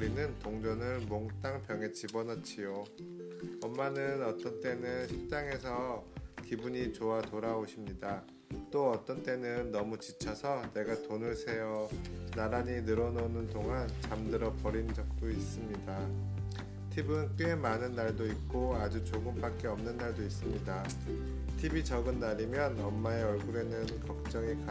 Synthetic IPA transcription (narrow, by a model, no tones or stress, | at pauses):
ɾinɯntoŋd͡ʑʌnɯɭmoŋt͈aŋpjʌŋe̞t͡ɕibʌnʌt͡ɕʰijo | ʌmːanɯnʌt͈ʌnt͈e̞nɯnɕʰip̚t͡ɕ͈aŋe̞sʰʌkibuɲit͡ɕoatoɾaoɕʰimɲida | t͈oʌt͈ʌnt͈e̞nɯnːʌmut͡ɕit͡ɕʰʌsʰʌne̞ɡatonɯɭsʰe̞jʌnaɾaɲinɯɾʌnonɯntoŋant͡ɕamdɯɾʌpʌɾind͡ʑʌk̚t͈ois͈ɯmɲida | tʰibɯnk͈ɯemanɯnːaɭdoit̚k͈oad͡ʑut͡ɕoɡɯmp͈ak̚k͈e̞ʌmnɯnːaɭdois͈ɯmɲida | tʰibit͡ɕʌɡɯnːaɾimjʌnʌmːaeʌɭɡuɾe̞nɯnkʌk̚t͡ɕ͈ʌŋika